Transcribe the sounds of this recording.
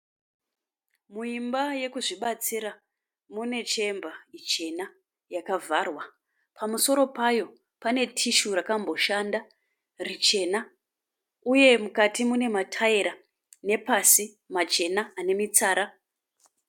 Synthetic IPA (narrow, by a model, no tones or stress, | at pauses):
muimbaje̞kuʐiɓat͡siɾa | mune̞t͡ʃe̞mbait͡ʃe̞na | jakavʱarwa | pʰamuso̞ɾo̞pajo̞ | pane̞tʰiʃurakambo̞ʃanda | rit͡ʃe̞na | uje̞mukatimune̞matʰaeɾa | ne̞pasi | mat͡ʃe̞naːne̞mit͡saːɾa